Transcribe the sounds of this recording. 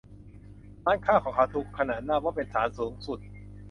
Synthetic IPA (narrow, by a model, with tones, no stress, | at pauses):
laː˦˥˩nkʰaː˥˩kʰɔː˩˦kʰa˦˥wt̪ʰu˨˩kʰːa˧naː˨˩t̪̚naː˥˩wɔː˥˩pe˧nsaː˩˦nsuː˩˦ŋsu˨˩t̪̚